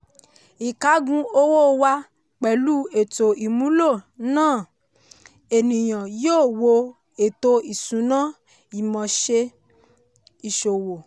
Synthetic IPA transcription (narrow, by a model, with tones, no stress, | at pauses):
i˨ka˨˦ɡũ˧o˦woː˦˨wa˧ | k͡pɛ˨lu˦e˨to˨i˨mũ˨˦lo˦˨nãː˦˨ | e˨nĩ˨j̃ã˨joː˦˨wo˧ | e˨to˧i˨sũ˨˦nã˦ | i˨mɔ̃˨ʃe˧ | i˨ʃo˨wo˨